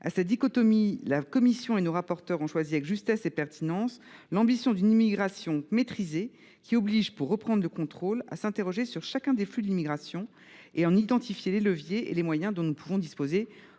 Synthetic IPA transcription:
a̰sad̪ikɔt̪ɔmilakɔmisjɔ̃enoʁapɔʁt̪œʁɔ̃ʃwaziavɛkʒyst̪ɛsepɛʁt̪ʰinɑ̃slɑ̃bisjɔ̃d̪ynimiɡʁasjɔ̃met̪χize | kʲiɔbliʒpuʁːəpχɑ̃d̪ʁləkɔ̃t̪χola̰sɛ̃t̪eʁɔʒesyʁʃakʲɛ̃d̪eflyd̪limiɡʁasjɔ̃ | eɑ̃nid̪ɑ̃t̪ifjeleləvjeḛlemwajɛ̃d̪ɔ̃nupʰuvɔ̃d̪ispoze

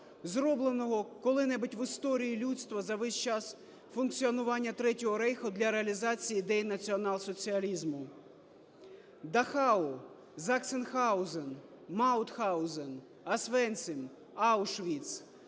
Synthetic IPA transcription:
zɾɔblˠenɔɦɔkɔlˠɪnɛbɪtʲʋɪst̪ɔɾʲijilʲut̪st̪ʋɐzɐʋɪʃt͡ʃɑs | fʊnkt͡sʲiɔnʊʋɑnʲːɐt̪ɾɛtʲɔɦɔɾɛjxʊd̪lʲɐɾeɐlʲizɑt͡sʲijid̪ɛjnɐt͡sʲiɔnɑlˠsɔt͡sʲiɐlʲizmʊ | d̪ɐxɑʊ | zɑksenxɑwzen | mɑwt̪xɑwzen | ɐsʋɛnʲsʲɪm | awʃʋʲit̪s

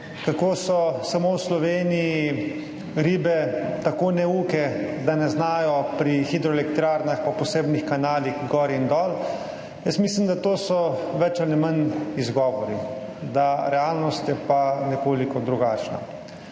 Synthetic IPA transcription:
kakoːsɔsamowslɔʋeːniji | ɾiːbɛt̪akoːnɛuːkɛd̪anɛznaːjɔpɾixid̪ɾɔɛlɛkt̪ɾaːɾnaxpapɔseːbnixkanaːlixɡɔːɾind̪ɔːl | jəsmiːslimd̪at̪oːsɔʋɛt͡ʃalimənizɡɔːʋɔɾi | d̪aɾɛaːlnɔst̪jɛpanɛkoːlikɔd̪ɾuɡaːt͡ʃna̰

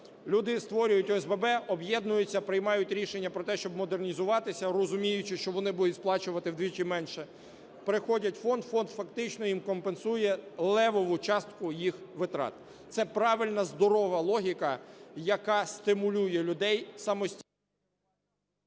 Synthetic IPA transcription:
lʲud̪ɪst̪ʋɔɾʲʊjʊtʲɔɛzbebɛɔbjɛd̪nʊjʊt͡sʲːɐpɾɪjmɑjʊtʲɾʲiʃenʲːɐpɾɔt̪ɛʃt͡ʃɔb̚mɔd̪ernʲizʊʋɑt̪ɪsʲɐrɔzʊmʲijʊt͡ʃɪʃt͡ʃɔʋɔnɪbud̪ʊtʲsplˠɑt͡ʃʊʋɐt̪ɪwd̪ʋʲit͡ʃɪmɛnʃɛ | pɾɪxɔdʲɐtʲfɔnd̪fɔnd̪fɐkt̪ɪt͡ʃnɔjimkɔmpensujɛlˠɛʋɔʋʊt͡ʃɑst̪kʊjixʋɪt̪ɾɑ̰t̪̚ | t̪sɛpɾɑʋɪlʲnɐzd̪ɔɾɔʋɐlˠɔɦʲikɐjɐkɑsʲt̪ɪmʊlʲujɛlʲʊd̪ɛjsɑmɔsʲtʲi

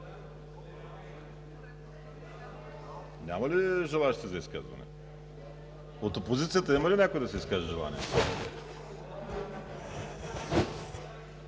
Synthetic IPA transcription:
nʲamɐliʒɛlˠaʃt̪ɛzɐiskazvɐ̰nɛ̰ | ot̪opozit̪sijat̪ɐimɐlinɛkojd̪ɐsɛiskaʒiʒɛlˠa̰nḭɛ̰

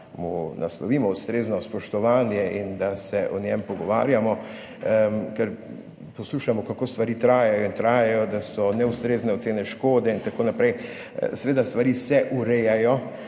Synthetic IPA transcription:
muna̰slɔʋiːmɔust̪ɾeːznɔspɔʃt̪ɔʋaːnjɛind̪asɛʔɔnjɛmpɔɡɔʋa̰ːɾjamɔ | kɛɾ | pɔsluːʃamɔkakoːst̪ʋaɾiːt̪ɾaːjajɔint̪ɾaːjajɔd̪asɔnɛust̪ɾeːznɛɔt̪seːnɛʃkoːd̪ɛint̪akoːnapɾɛj̰ | sɛʋeːd̪ast̪ʋaɾiːsɛʔuɾɛjajɔ

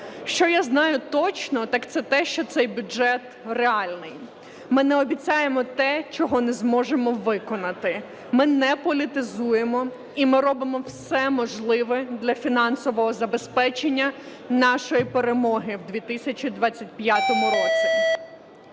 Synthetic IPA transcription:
ʃt͡ʃɔjaznɑjʊt̪ɔt͡ʃnɔt̪ɑkt̪sɛt̪ɛʃt͡ʃɔt̪sɛjbʲʊʒɛt̪ | reɑlʲnɪj | mɪnɛɔbʲit͡sʲajemɔt̪ɛt͡ʃɔɦɔnɛzmɔʒemɔʋɪkɔnɐt̪ɪ | mɪnɛpɔlʲit̪ɪzujemɔ | imɪɾɔbɪmɔwsɛmɔʒlˠɪʋɛd̪lʲɐfʲinɑnsɔʋɔɦɔzɐbespɛt͡ʃenʲːɐ | nɑʃɔjipeɾemɔɦɪwd̪ʲʋʲit̪ɪsʲɐt͡ʃid̪ʋɑt͡sʲːɐt̚ʲpjat̪ɔmʊɾɔt͡sʲi

